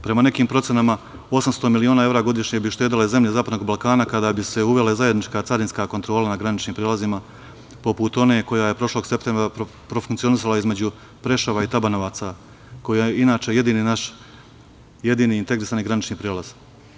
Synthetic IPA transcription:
pɾe̞mane̞kiːmpɾo̞t̪senama | o̞samst̪o̞milioːnaːe̞vɾaɡo̞d̪iʃɲebiʃt̪eːd̪ileze̞mʎezaːpad̪no̞ɡbalˠkaːnakad̪aːbise̞uʋe̞lezaje̞d̪nit͡ʃkaːt̪saɾinskaːko̞nt̪ɾo̞ːlanaɡɾanit͡ʃniːmpɾelazima | po̞put̪o̞ne̞ːko̞jaːje̞pɾo̞ʃlˠo̞ɡse̞pt̪e̞mbɾa | pɾo̞fuŋkt̪sio̞nisalˠaizme̞d͡ʑu | pɾe̞ʃaʋait̪abanoʋaːt̪sa | ko̞jijeinaːt͡ʃeje̞d̪iːninaʃ | je̞d̪iːniːnt̪e̞ɡɾisaːniɡɾanit͡ʃniːpɾeːlˠaz̥

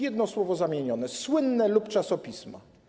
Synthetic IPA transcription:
jɛd̪nɔswɔvɔzamʲjeɲɔnɛswɘnːɛlupt͡ʂasɔpʲisma̰

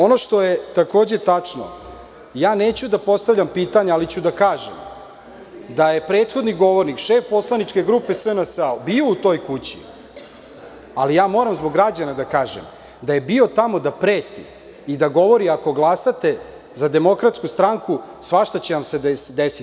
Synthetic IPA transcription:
o̞no̞ʃt̪o̞jet̪ako̞ːd͡ʑet̪at͡ʂno̰ | jaːneːt͡ɕud̪apo̞st̪aʋʎampiːt̪aɲealit͡ɕud̪akaːʒḛm | d̪aje̞pɾeːt̪xo̞d̪niɡo̞ʋo̞ɾnikʃeːfpo̞slˠanit͡ʂke̞ɡɾuːpe̞sənəsabiout̪o̞jkut͡ɕḭ | alijaːmo̞ːɾamzbo̞ɡɾad͡ʑanad̪akaːʒḛm | d̪aje̞bio̞t̪amo̞d̪apɾeːt̪ḭː | d̪aɡo̞ʋo̞ɾiako̞ɡlˠasat̪e̞ | zad̪e̞mo̞kɾat̪skust̪ɾaŋkusʋaʃt̪at͡ɕeʋamsed̪esd̪esi

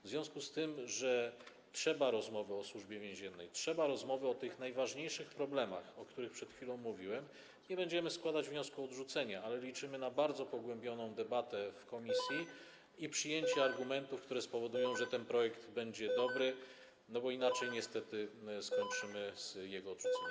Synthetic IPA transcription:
vzvʲjɔ̃w̃skust̪ɘmʐɛ | tʂɛbaɾɔzmɔvɘɔswuʐbʲjɛvʲjɛ̃w̃ʑɛnːɛjtʂɛbaɾɔzmɔvɘɔt̪ɘxnajvaʐɲejʂɘxpɾɔblɛma̰xɔkt̪uɾɘxpʂɛt̪xfʲilɔ̃w̃mːuvʲiwɛm | ɲɛbɛɲd͡ʑɛmɘskwad̪ad͡ʑvɲɔskuɔd̪ʐut̪sɛɲaalɛlʲit͡ʂɘmɘnabaɾd̪zɔpɔɡwɛmbʲjɔnɔ̃w̃d̪ɛbat̪ɛfkɔmʲisʲji | ipʂɘjeɲt͡ɕɛaɾɡumɛnt̪ufkt̪uɾɛspɔvɔd̪ujɔ̃w̃ʐɛt̪ɛnpɾɔjɛkd̪bɛɲd͡ʑɛd̪ɔbɾɘ | nɔbɔinat͡ʂɛjɲɛst̪ɛt̪ɘskɔɲt͡ʂɘmɘz̥jɛɡɔːd̪ʐut̪sɛɲ

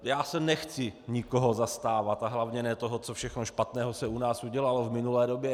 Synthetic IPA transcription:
jaːsɛnɛxt͡sɪɲɪkoɦozast̪aːvat̪aɦlavɲɛnɛːt̪oɦot͡sofʃɛxnoʃpat̪nɛːɦosɛunaːsuɟɛlalovmɪnulɛːdobjɛ

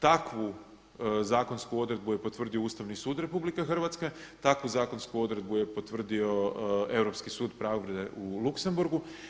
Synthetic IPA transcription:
t̪akʋu | zaːko̞nskuo̞d̪ɾe̞d̪̚buje̞po̞t̪ʋr̩d̪io̞uːst̪aʋnisuːd̪ɾe̞publikexr̩ʋat̪ske̞t̪akʋuzaːko̞nskuo̞d̪ɾe̞d̪buje̞po̞t̪ʋr̩d̪io̞e̞vɾo̞pskisuːd̪pɾaːoʋɾed̪eʔulukse̞mbuɾɡu

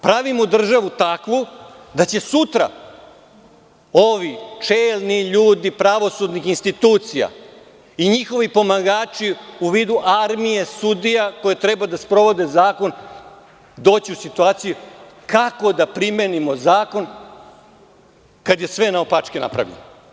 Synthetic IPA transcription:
pɾaʋimod̪r̩ʒaʋut̪akʋu | d̪at͡ɕe̞sut̪ɾa̰ | oʋit͡ʂeːlniʎuːd̪ipɾaʋo̞sud̪nixinst̪it̪uːt̪sija̰ | iɲixo̞ʋipo̞maɡaːt͡ʃiuʋiːd̪uʔaɾmije̞sud̪ijako̞jet̪ɾɛbad̪aspɾo̞ʋo̞d̪e̞zaːko̞n | d̪o̞ːt͡ɕiusit̪uaːt̪sijukako̞d̪apɾimenimozaːko̞n | kad̪je̞sʋe̞naopat͡ʃkena̰pɾa̰ʋʎḛno

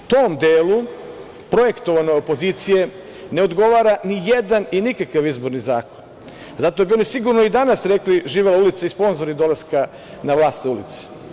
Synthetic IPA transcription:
t̪omd̪eːlu | pɾo̞je̞kt̪o̞ʋano̞jo̞po̞zit̪sije̞ | ne̞o̞d̪ɡo̞ʋaːɾanijed̪aninikakaʋizbo̞ɾnizaːko̞n | zat̪obio̞nisiɡuɾno̞id̪anasɾekliʒiːʋelaulit̪saispo̞nzoɾid̪o̞laska | naʋlˠaːst̪zaulḭt̪se̥

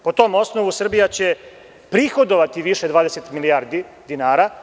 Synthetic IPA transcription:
po̞t̪o̞ːmo̞sno̞ʋusr̩bijat͡ɕe̞ | pɾixo̞d̪oʋat̪iʋiʃe̞d̪ʋaːd̪eset̪milijaːɾd̪i | d̪inaːɾa

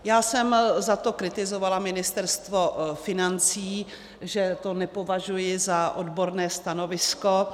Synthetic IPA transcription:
jaːsɛmzat̪o̞kɾɪt̪ɪzo̞valamɪnɪst̪ɛɾst̪vo̞fɪnant͡siː | ʒɛt̪o̞nɛpo̞vaʒujɪzaʔodbo̞ɾnɛːst̪ano̞vɪsko̞

